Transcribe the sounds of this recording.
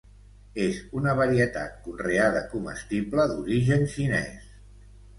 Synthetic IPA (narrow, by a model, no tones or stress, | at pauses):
ezunəβəɾiət̪a̰t̪̚kunreaðə̰kumə̰st̪iβləd̪uɾiʒənʃinɛ̰s